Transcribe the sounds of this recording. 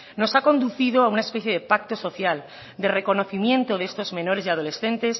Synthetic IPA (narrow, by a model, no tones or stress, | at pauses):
no̞sako̞nd̪uθiðoaunaespe̞θjeðe̞pak̚t̪o̞so̞θjal | d̪e̞re̞ko̞no̞θimjẽ̞nt̪o̞ðeest̪o̞zmẽ̞no̞ɾe̞sjað̞o̞le̞sθe̞nt̪es